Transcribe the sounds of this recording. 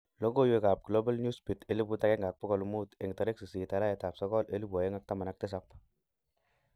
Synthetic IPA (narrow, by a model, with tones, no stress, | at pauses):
lo˦ɡo˦jwe˨ka˨p̚ɡ̥lo˦ba˦lɲu˦spi˨te˨˦li˦bu˦ta˦kɛ˦ŋɡa˨k̚pɔ˦kɔ˨lu˨mu˦te˨ŋta˨ɾe˦ksi˨si˨ta˨la˦je˨ta˨psɔ˦kɔ˦le˦li˦bwa˨je˦ŋa˦k̚ta˦ma˨na˦k̚tɪ˦s̬a˨˦p